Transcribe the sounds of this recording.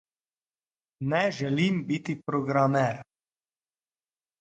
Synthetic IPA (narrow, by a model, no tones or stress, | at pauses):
nɛʒɛlimbit̪ipɾoɡɾamɛɾ